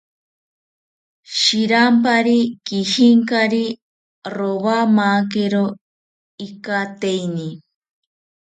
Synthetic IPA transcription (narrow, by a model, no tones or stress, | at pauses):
ʃiɾampaɾikihiŋkaɾi | ɾowamaːk̬eɾo | ikat̪ejni